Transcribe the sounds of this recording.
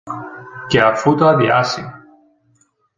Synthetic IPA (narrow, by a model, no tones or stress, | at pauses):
keafut̪adiasi